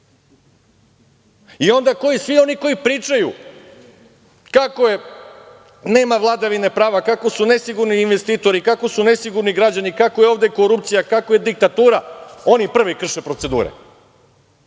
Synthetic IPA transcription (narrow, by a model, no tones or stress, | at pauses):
io̞nd̪ako̞jisʋio̞niko̞jipɾiːt͡ʃaju | kako̞je | ne̞ːmaʋlˠad̪aʋinepɾaːʋakako̞sune̞siɡuɾniːnʋe̞st̪iːt̪o̞ɾikako̞sune̞siɡuɾniɡɾad͡ʑanikakojeoʋd̪e̞ko̞ɾupt̪sijakako̞je̞d̪ik̚t̪at̪uːɾao̞nipr̩ʋikr̩ʃepɾo̞t̪se̞d̪ṵːɾḛ